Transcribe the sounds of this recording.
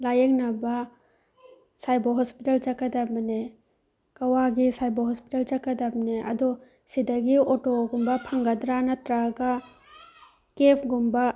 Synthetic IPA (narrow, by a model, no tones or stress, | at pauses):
lajek̚nɐbɐ | sajboɦɔspitelt͡ʃakːɐdabɐne | kɐwaɡisajboɦɔspitalt͡ʃakɐdap̚neɐ̰dɔ | sidɐɡiotoɡumbɐpʰaŋɡɐdɾanɐtɾaɡa | kepʰɡumbɐ